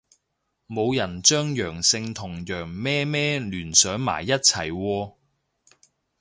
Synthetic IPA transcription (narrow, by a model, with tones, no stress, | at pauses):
mo˨˧wjɐ˨˩nt͡ʃœː˥ŋjœː˨˩ŋsɪ˧ŋt̪ʰʊ˨˩ŋjœː˨˩ŋmɛː˥mɛː˥lyː˨˩nsœː˨˥ŋma̰ː˨˩jːɐ˥t̚t͡sʰɐ˨˩jwɔː˧